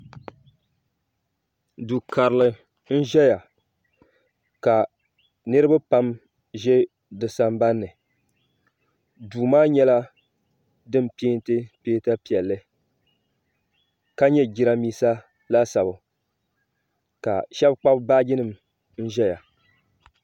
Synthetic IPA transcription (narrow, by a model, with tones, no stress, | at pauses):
du˨kʰa˨ɾɨ˨lɨ˨ | n̩˦ʒɛ˦ja˨ | ka˨ | nɨ˦ɾɨ˦ba˦pa˦m | ʒɛ˦ | dɨ˨sa˨mba˦nːɨ˨ | duː˨maː˦ɲɛ˦la˦ | dɨ˦mpeː˦n˦tɨ˦peː˦ta˦pi˨ɛ˨lːɨ˦ | ka˦ɲɛ˦ɡi˦ɾa˦miː˦sa˦ | la˦sa˨bʊ˨ | ka̰˨ʃɛ˦bk͡pa˦bba˦ɡɪ˦nɨ˨m | n̩˦ʒɛ˦ja˨